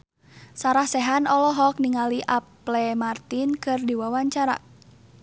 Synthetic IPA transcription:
saɾahsɛɦanɔlɔɦɔk̚niŋaliʔaplɛmart̪inkɨrdiwawaɲt͡ʃaɾa̰

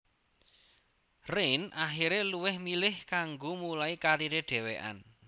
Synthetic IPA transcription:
rɪnʔaxiɾeluwɪhmilɪhkaŋɡomulaikaɾiɾeɖ̥ɛ̤weʔa̰n

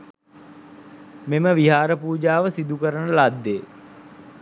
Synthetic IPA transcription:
meməʋiɦaːɾəpuːd͡ʒaːʋəsid̪ukəɾənəlad̪ːeː

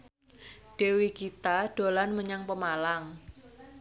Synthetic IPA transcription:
ɖ̥ewikit̪aɖ̥olanməɲaŋpəmalaŋ

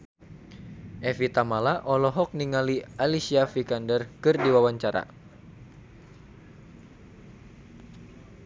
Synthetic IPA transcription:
ʔɛfit̪amalaʔɔlɔɦɔk̚niŋalialisiafikandərkɨrdiwawaɲt͡ʃaɾa̰

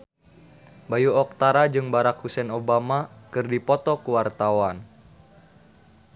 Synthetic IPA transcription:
bajuɔk̚t̪aɾad͡ʒɨŋbaɾakhusɛnobamakɨrdipɔt̪ɔkuwart̪awan

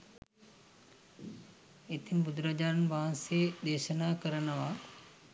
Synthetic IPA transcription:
et̪imbud̪ɾɐd͡ʒaːnʋaːnsed̪eːʃənaːkəɾənɐʋa

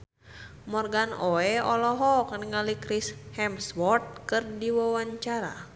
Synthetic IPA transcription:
mɔrɡanoɛɔlɔɦɔkanəŋalikɾishɛmswɔrt̪̚kɨrdiwawaɲt͡ʃaɾa̰

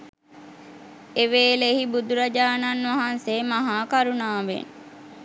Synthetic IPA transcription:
eʋeːlehibud̪uɾɐd͡ʒaːnɐnʋɐɦansemɐɦaːkaɾunaːʋḛn

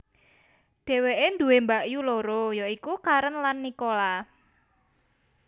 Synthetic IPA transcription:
ɖ̥e̤weʔend̪ṳwembaʔjuloɾojoikukaɾənlanːikola

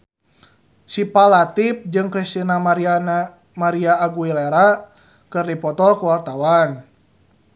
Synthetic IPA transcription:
sipalat̪ip̚d͡ʒɨŋkɾist̪inamaɾi | maɾiaːɡuileɾa | kɨrdipɔt̪ɔkuwart̪awan

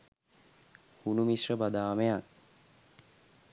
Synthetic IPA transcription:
hunumisrəbad̪aːmejak̚

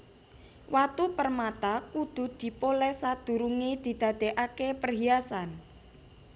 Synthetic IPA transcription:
wat̪upərmat̪akud̪̥ṳd̪̥i̤polɛhsad̪̥ṳɾuŋid̪̥i̤d̪̥ä̤d̪̥e̤ʔakepərɦiasan

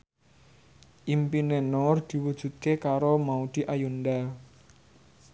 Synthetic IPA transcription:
ʔimpinenɔrd̪̥i̤wud̥ʒ̥ṳt̪̚kekaɾomaud̪̥i̤ʔajund̪a

